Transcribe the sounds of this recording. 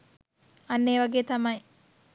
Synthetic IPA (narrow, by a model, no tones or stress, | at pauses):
ɐnːeːʋɐɡeːt̪ɐmɐj